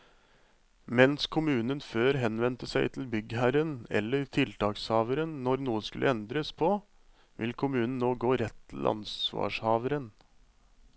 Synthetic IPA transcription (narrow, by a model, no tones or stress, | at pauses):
mɛnskʰʊmʉːnənføːɾɦɛnʋɛnt̪əsæɪt̪ʰɪl̩bʏɡhæɾənɛ̰lːəɾt̪ʰɪlt̪ʰɑːkshɑːʋəɾənnɔɾnuːəskʉlʔəɛnd̪ɾəspʰɔ | ʋɪ̰lkʰʊmʉːnn̩nːoːɡoːɾɛt̪ʰːl̩ʔɑ̰nsʋɑ̰ːʂhɑːʋəɾən